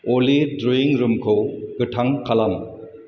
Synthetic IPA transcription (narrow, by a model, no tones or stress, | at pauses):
olidɾuiŋɾumkʰɯwɡɯtʰaŋkʰalam